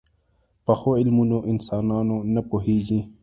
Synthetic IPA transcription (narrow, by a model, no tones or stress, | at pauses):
pɐxoilmunõːʔinsaːnaːnõːnɐpoɦiːɡĩ